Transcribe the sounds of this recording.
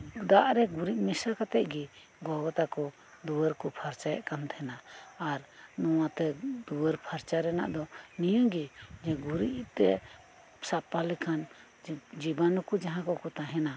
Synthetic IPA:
d̪aʔɾɛɡuɾiʔ̚misakat̪ɛʔ̚ɡi | ɡɔɡɔt̪akɔ | d̪uwəɾkɔpʰaɾt͡ʃajɛ̰ʔkant̪ʰɛnaːɾnɔwat̪ɛd̪uwəɾpʰaɾt͡ʃaɾɛna̰ʔd̪ɔnijɔ̃ɡid͡ʒɛɡuɾiʔt̪ɛ̰ | sapalikʰan | d͡ʒibanɔkud͡ʒaɦãkɔkɔt̪aɦɛna

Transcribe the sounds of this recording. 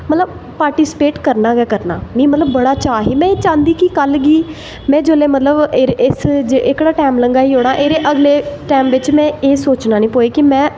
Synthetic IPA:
mət̪ləb̚ | paːɾʈiːsɪ̥peːʈkəɾnaːɡɛːkəɾnaːnĩːmət̪ləbːəɽaːt͡ʃaːɦiːmɛ̃ːeːt͡ʃãːnd̪iːkɪkəlɡiː | mɛ̃ːd͡ʒoːleːmət̪ləbɾɪsd͡ʒeʔɪkɽaːʈɛːmləŋɡaːiːɦoːɽ̃aːʔeːɾeːʔəɡleːʈɛːmʋɪt͡ʃmɛ̃ːeːsoːt͡ʃnaːnĩːpoːeːkɪmɛ̃ː

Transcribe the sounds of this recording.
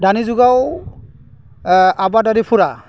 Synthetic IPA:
danizuɡaw | abadadipʰuɾa

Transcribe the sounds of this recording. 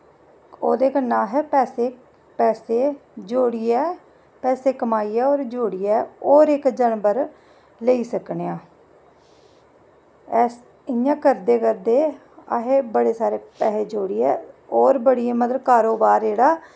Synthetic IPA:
o̰ːd̪eːkənːãːɦɛːpɛːseː | pɛːseːd͡ʒoːɽiːɛː | pɛːseːkəmaːiːɛːoːɾd͡ʒoːɽiːɛːoːɾɪkd͡ʒənbəɾ | ləiːsəkneːãː | ɛː | ɪjãːkəɾd̪eːkəɾd̪eː | a̰ːɦeːbəɽeːsaːɾeːpɛːseːd͡ʒoːɽiːɛːoːɾbəɽiːɛːmət̪ləkaːɾoːbaːɾd͡ʒeːɽaː

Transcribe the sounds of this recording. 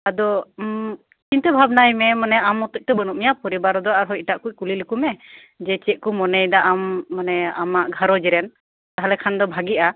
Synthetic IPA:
ad̪ɔ | t͡ʃint̪əbʱabnajmɛmanɛamɔt̪ɔc̚t̪ɔbənuʔ̚mijapɔɾibaɾɔd̪ɔaɾɦɔjiʈaʔkuc̚kulilukumɛ | d͡ʒɛt͡ʃɛt̪̚kumɔnɛjd̪aʔamːanɛamaʔɡʱaɾɔd͡ʒiɾɛn | t̪aɦalɛkʰand̪ɔbʱaɡiʔa

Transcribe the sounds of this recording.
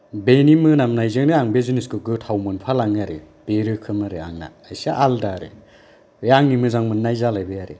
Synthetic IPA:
benimɯnamnajzɯŋniaŋbezuniskɯɡɯtʰawmɯnpʰalaŋaɾe | b̥eɾɯkʰɯmaɾea̰ŋna̰ːjsaʔaldaɾḛ | jaŋːimɯzaŋmɯnːajzalajbejaɾe

